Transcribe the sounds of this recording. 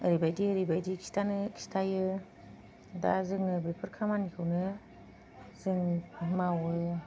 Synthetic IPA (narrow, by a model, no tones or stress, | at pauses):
ɯɾibajdiɯɾibajdikʰi̥stʰanɯkʰi̥stʰajɯ | da̰zɯŋɯbɾipʰɯɾkʰamanikʰɯwnɯ | zɯŋpʰamawɯ